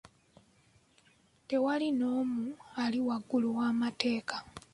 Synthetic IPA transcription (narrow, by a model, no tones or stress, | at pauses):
te̞walino̞ːmualiwaɡːuluwaːmate̞ːkḁ